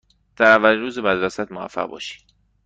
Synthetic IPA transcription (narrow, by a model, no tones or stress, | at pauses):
d̪̥æɾævæliɾuːzebæd̪ɾæsæt̪movæ̰fːæ̰ʁbɒ̰ːʃi̥ː